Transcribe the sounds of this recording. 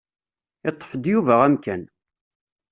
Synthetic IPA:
ɪt̪ˤːə̥fəd̪juvæʁæmkæn

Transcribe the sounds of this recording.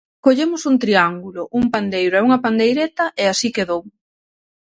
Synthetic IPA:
koʎemʊsuŋt̪ɾiaŋɡulʊʔuŋpand̪ejɾʊɛuŋɐpand̪ejɾet̪ɐʔeasikeðow

